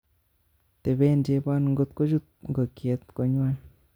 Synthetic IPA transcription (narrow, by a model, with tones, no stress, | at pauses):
t̪e˨be˧˦nd͡ʒe˧ba˦˧n˧ŋɡo˧t̪kʷa˦ʒu˧t̪̚ŋɡo˨kje˨˧˦t̪kʷa˧ɲ˦a˦˧n